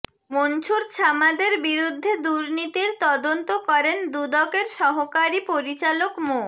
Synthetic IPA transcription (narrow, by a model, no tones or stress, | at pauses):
mont͡ɕʰuɾt͡ɕʰamad̪eɾbiɾud̪ʱːed̪uɾnit̪iɾt̪ɔd̪ont̪okɔɾend̪ud̪ɔkeɾʃɔɦokaɾipoɾit͡ɕalokmo